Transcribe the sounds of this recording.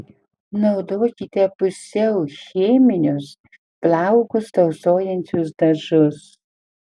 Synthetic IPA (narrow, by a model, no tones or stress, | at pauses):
nɐʊd̪oːkʲit̪ʲɛpʊsʲɛʊxʲeːmʲɪnʲʊs | plʲɑʊɡʊst̪ɐʊsoːjɛnʲt͡ʃʲʊs̬d̪ɐʒʊs